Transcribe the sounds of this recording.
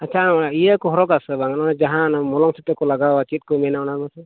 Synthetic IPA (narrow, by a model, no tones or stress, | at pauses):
at͡ʃʰanaɔnaiakɔɦɔɾɔkasɛbaŋanɔnad͡ʒaɦãnamɔlɔŋsit̪ɛkɔlaɡaat͡ʃit̪̚kɔmɛnaɔnaɾmasɛ